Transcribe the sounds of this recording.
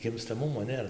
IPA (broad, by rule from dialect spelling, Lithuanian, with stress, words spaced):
ɡʲɪmstɐˈmʊmoː ˈnʲeːrɐ